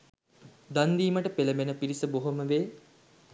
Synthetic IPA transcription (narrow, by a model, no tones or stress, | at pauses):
d̪and̪iːməʈəpeləbenəpiɾisəboɦoməʋeː